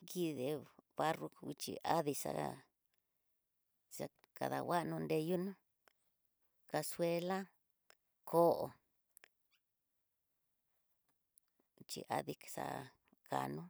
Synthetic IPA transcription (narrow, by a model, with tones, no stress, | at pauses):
ki˧ðe˧βa˦ru˧i˧t͡ʃḭ˧ʔa˦ði˧sa̰˧ | sa˧ | ka˨ða˨wa˦ʔnũ˧nd̪e˧ju˦nũ˦ | ka˧swe˧la˦ | kʰo˦ʔo˨˧ | t͡ʃḭ˧ʔa˦ði˧ksa̰˧ | ka˨nũ˦